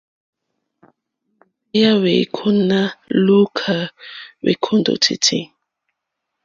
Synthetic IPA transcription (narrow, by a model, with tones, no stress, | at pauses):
ja˦wḛ˨kʰu˦na˦lu˦kʰa˨wḛ˨kʰu˦ndo̰˨tʰḭ˨tʰḭ˦